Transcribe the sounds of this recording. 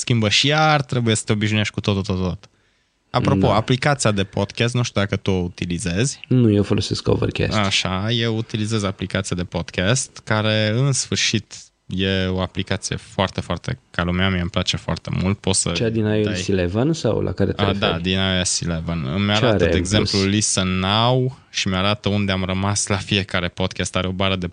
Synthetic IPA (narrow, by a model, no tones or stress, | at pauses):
skʲimbəʃijart̪ɾe̞buje̞sə̥t̪e̞obiʃnuije̞ʃt̚ʲkut̪o̞t̪ot̪ot̪od̪at̪ə̥ | apɾo̞po̞aplikat̪siad̪e̞po̞d̪kʲas̬t̪nuʃt̪jud̪akət̪uout̪ilize̞zʲnujewfolosesko̰və̰rkʲɛ̰saʃaje̞wut̪ilize̞zaplikat̪sijad̪e̞po̞d̪̥kʰʲast̪kaɾe̞ɨnsfɨrʃit̪ | je̞o̞aplikat̪sije̞̰foart̪e̞foart̪e̞̰kalumeamiaɨmplat͡ʃe̞foa̰rt̪e̞̰mult̪̚pot̪sət͡ʃead̪inajeajsilevənsa̰wlʔa̰kaɾet̪d̪ad̪inaesilevənmeaɾaɾəd̪eːɡze̞mplulisənaw | ʃimeaɾat̪əund̪e̞amrəmaslafie̞kaɾe̞po̞d̪̚kʲast̪aɾeo̞baɾəd̪e̞